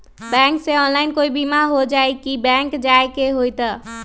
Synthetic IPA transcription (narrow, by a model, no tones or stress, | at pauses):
bɛ̃ŋkseɔnlaɪnkoibimaɦod͡ʒajkibɛ̃ŋkd͡ʒaekeɦojt̪ə